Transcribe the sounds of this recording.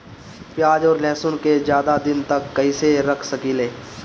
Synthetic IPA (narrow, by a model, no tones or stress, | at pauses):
pjaːd͡ʒɔːɾlɛːsʊnkezjaːd̪ad̪ɪnt̪ɐkːɐiseɾɐkʰsɐkileː